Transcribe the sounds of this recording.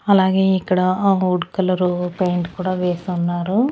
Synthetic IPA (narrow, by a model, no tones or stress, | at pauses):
ɐlaːɡe̞ːikːɐɽɐuːɖkɐlɐɾupejɳʈkuːɽaːʋeːsunːaːɾu